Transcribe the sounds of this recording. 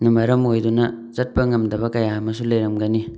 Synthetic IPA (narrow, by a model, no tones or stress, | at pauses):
numɐɾɐmojduna | zɐt̚pɐŋɐmdɐbɐkɐjamɐsulejɾɐmɡani